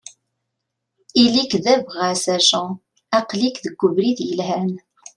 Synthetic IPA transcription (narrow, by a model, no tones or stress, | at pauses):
ilikðævʁæsæʃɑ̃ | æqlikðəɡʷːʊvɾiðjəlhæn